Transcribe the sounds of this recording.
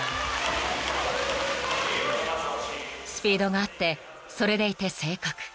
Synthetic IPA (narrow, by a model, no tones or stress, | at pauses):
sɨ̥pʲiːd̪o̞ɡaat̪ːe̞ | so̞ɾe̞d̪e̞it̪e̞se̞ːkakɯ̟̥